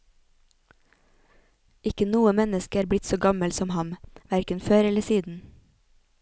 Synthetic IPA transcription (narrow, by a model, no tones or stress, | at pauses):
ɪkənuːəmɛnəskəɾblɪt̪soːɡɑməlsɔmhɑmʋæɾkənføːɾɛləsiːd̪n̩